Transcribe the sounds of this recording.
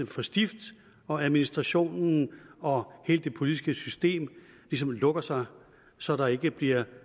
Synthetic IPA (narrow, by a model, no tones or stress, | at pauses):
mfɒ̽sd̥ifd̥ | ɒ̽æðˠminisd̥ʁɑ̈ɕo̝̰ːnn̩ɒ̽he̝̰ːldd̥e̝pʰo̝lid̥isɡ̥əsysd̥e̝̰ːm | lis̬ɒ̽mlɔ̽ɡ̥ɐsɑ̈ɪ | sɒ̽ɾ̥ɑ̈e̝ɡ̥əb̥liɐ